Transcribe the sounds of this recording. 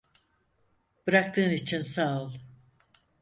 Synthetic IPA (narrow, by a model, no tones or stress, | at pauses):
b̥ɾak̚t̪ʰɯːnit͡ʃʰinsalˠ